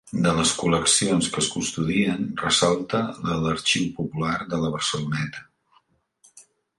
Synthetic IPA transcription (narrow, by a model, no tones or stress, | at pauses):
d̪ələskuləksionskəskunst̪uðiənrəsalˠt̪əðələɾt͡ʃiwpupulaɾðələβ̞ərsəlunɛt̪ə̥